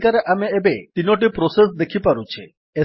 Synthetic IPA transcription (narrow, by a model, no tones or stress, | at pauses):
kaɾeʔameebet̪inoʈ̬ipɾɔsesd̪ekʰipaɾut͡ʃʰe | e